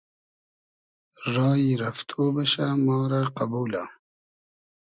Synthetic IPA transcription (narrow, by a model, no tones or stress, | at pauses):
ɾɑːiɾɐft̪ʰoːbɐɕamɑːɾaqɐbuːla